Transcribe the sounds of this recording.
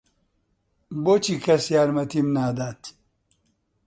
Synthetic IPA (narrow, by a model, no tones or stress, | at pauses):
bot͡ɕikʰɐsjaːɾmɐt̪ʰimnaːd̪aːt̪ʰ